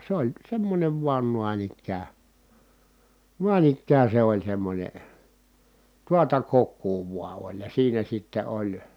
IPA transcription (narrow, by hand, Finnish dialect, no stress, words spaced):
se olʲ semːonʲeʋ ʋuɑn nuɑn ikːæː nuɑn ikːæː se olʲ semːonʲe tuɑtɑ kokːuː ʋuɑ olʲ jɑ siːnæ sitːe olʲ